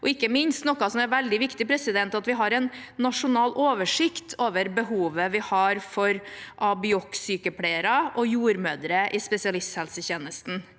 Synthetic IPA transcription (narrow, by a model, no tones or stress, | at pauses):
ʔɔɪkːəmɪnst̪nɔkːɑsɔmɛʋɛld̪ɪʋɪkt̪ɪpʰɾɛsɪd̪ɛnt̪ɑt̪ʋɪɦɑɾɛnːɑʂʊnɑːlʔoːʋəʂɪkt̪ʰoːʋəɾbəɦuːʋəʋɪhɑɾfɔɾʔɑbɪɔksyːkəpʰɽeəɾɑʔɔjuːɾmøːd̪ɾəʔɪspɛsɪɑlɪst̪hɛlsəçeːnəst̪n̩